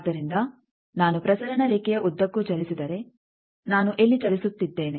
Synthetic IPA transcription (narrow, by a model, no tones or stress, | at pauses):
d̪ɐɾind̪ɐ | naːnupɾɐsɐɾɐnɐɾiːkɛjɐʔud̪ːɐkːut͡ʃɐlisid̪ɐɾe̞ | naːnuʔelːit͡ʃɐlisut̪ːid̪ːe̞ːne